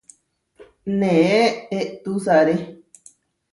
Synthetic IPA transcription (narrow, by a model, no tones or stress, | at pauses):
nẽeeʔt̪usaɾe